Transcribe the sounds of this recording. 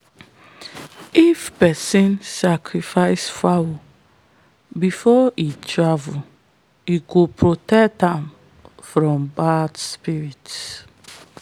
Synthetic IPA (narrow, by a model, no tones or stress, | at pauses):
ifpɛsĩnsakʰɹifaɪsfawu | bifɔitʰɹavu | iɡopʰɹotɛktãm | fɹɔ̃mbadspiɹit